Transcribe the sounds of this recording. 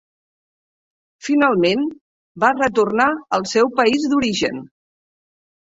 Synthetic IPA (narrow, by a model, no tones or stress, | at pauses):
finalˠmen | barət̪urnaəlˠsɛwpəizd̪uɾiʒə̰n